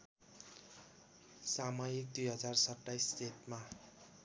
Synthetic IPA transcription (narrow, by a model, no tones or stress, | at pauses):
samʌjik̚d̪ujɦʌd͡zarsʌʈːajsset̪ma